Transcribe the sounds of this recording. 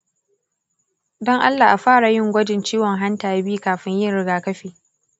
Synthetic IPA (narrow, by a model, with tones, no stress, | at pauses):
dɔ˦ŋʔa˦lːaː˨ʔa˨ɸaː˦ɽa˨jɪ˦ŋɡʷɐ˦d͡ʒɪ˨nt͡ʃiː˦wɔ˨ŋɦa˦ntaː˨ja˦biː˦kaː˨ɸɪ˦ɲjɪ˦nɽɪ˦ɡaː˨kɐ˦ɸiː˨